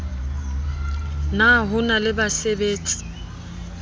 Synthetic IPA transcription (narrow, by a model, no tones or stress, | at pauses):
naɦʊnalɪbasebeːt͡sʼi̥